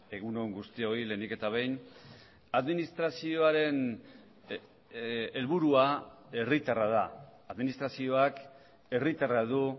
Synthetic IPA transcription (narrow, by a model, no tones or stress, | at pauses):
e̞ɣ̞uno̞ŋɡust̪io̞ile̞nike̞t̪aβ̞e̞jn | aðminist̪ɾasio̞aɾe̞n | elβuɾuae̞rit̪arað̞aːðminist̪ɾasio̞ak | e̞rit̪araðu